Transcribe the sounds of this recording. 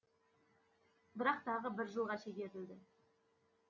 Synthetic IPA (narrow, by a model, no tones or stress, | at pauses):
bɪɾɑq̚t̪ʰɑʁəbɪɾʒəlˠʁɑʃeɡʲe̞ɾt̪ɪld̪ɪ